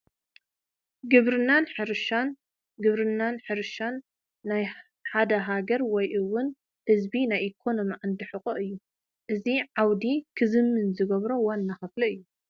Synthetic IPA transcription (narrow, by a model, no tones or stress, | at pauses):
ɡɨβɾɨnːanħɨɾʃan | ɡɨβɾɨnːanħɨɾʃanː | aj | ħad̪ɐɦaɡɐɾwɔjʔɨwːʊn | hɨzbinajʔikʰo̞no̞miʕand̪ɨħɨχʼoʔɨjːu | ʔɨziʕawd̪ikʰɨzɨmːɨnzɨɡɐβɾowanːaxɨflɐɨjːu